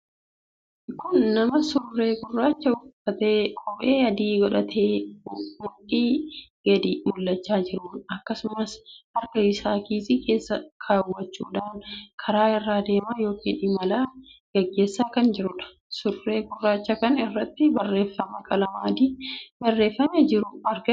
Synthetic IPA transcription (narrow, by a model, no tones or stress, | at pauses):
kʊnːɐmɐsʊrːe̞ːɡʊrːaːt͡ʃːɐʊɐt̪eːkʼɔbʼeːɐd̪iːɡɔᶑɐt̪ʰeːmʊʔiːɡɐd̪imʊlːɐt͡ʃːaːd͡ʒɪɾʊnɐkːɐsʊmɐshɐɾkɐɪsaːkiːsɪkʰe̞ːsːɐkʰaːwːɐt͡ʃːṵːᶑaːnkʰɐɾaːɪrːaːd̪e̞ːmaːjo̞ːkḭːnᶑɪmɐlaːɡ̥ɐɡːe̞ːsːaːkɐnd͡ʒɪɾʊᶑɐ̥ | sʊrːe̞ːɡʊrːaːt͡ʃːɐkɐnɪrːɐt̪ːɪbɐrːe̞ːfːɐmɐkʼɐlɐmaːd̪iːbɐrːe̞ːfːɐmed͡ʒɪɾʊɐɾɡɐ